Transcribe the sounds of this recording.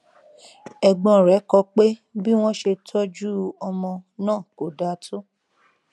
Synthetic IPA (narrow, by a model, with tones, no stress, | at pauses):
ɛ˧ɡ͡bɔ̃˧˨ɾɛ˨˦kɔ˧k͡pe˦bi˦w̃ɔ̃˦ʃe˧tʰɔ˦d͡ʒu˦ɔ˧mɔ̃˧nãː˦˨ko˨da˨˦tʰo˦